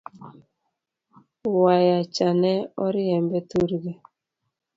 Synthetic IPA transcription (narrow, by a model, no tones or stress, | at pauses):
wajat͡ʃanɛɔɾiɛmbɛtuɾɣɛ